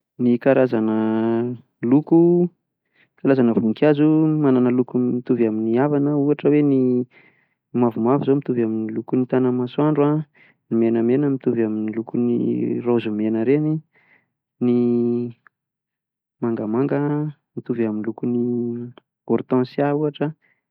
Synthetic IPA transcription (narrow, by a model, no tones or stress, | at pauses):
nikaɾʔazanə | luku | kalazanəvukazumananəlukumit̪uvaminiavanəuaʈ͡ʂəweni | mavumavizomit̪uvaminilukunit̪anəmasuaɳɖ͡ʐua | nimenəmenəmit̪uvaminilukunḭrozumenəɾeni | ni | maŋɡəmaŋɡə | mit̪uvaminilukuni | ɡ̥ɔɾt̪ɔ̃sjauaʈ͡ʂə